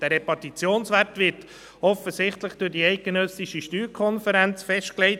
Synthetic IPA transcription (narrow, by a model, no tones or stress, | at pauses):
d̥æːɾɛpɑtit͡sjoːnsʋæɾtʋɪɾt | ɔfəsɪχtləχd̥ʊɾdiɛɪt̚ɡ̥enœsiʃiʃtyːɾkʰɔnfəɾænt͡sfɛʃtklɛɪt